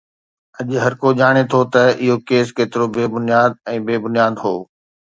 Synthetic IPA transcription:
ɐʄɦɐɾkoʄaːɽ̃et̪ʰot̪ɐɪɦokeːskeːt̪ɪɾobeːbʊnijaːd̪̚ɛ̃ːbeːbʊnijaːd̪ɦo̰ː

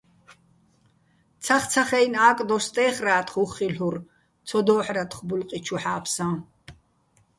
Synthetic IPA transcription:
t̪t͡sʰaχt͡sʰaχɛjnaːkʼd̪ɔst̪ʼɛːχraːt̪χuχilur | t͡sʰɔd̪ɔːħɾat̪χbulqʼit͡ʃʰuħaːpʰsã

